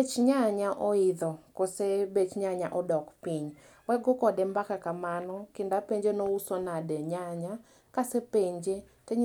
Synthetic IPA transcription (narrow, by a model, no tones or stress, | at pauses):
et͡ʃɲaɲaʔɔiðɔkosebet͡ʃɲaɲaʔɔdɔkpiɲ | wɛɡɔkɔdɛmbakakamanɔkɪndapeɲd͡ʒenɔusɔnadɛɲaɲa | kasepeɲd͡ʒe | tɛ